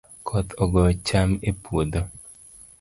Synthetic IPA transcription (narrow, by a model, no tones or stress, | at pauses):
kʰɔt̪ʰɔɡɔt͡ʃamepwod̪o